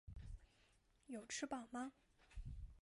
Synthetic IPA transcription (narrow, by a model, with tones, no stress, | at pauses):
jo˨˩ʊʈ͡ʂʰɻ̩˥pɑ˨˩ʊmɐ˦